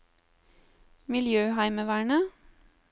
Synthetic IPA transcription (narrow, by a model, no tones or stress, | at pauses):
mɪljøːhæɪməʋæːɳə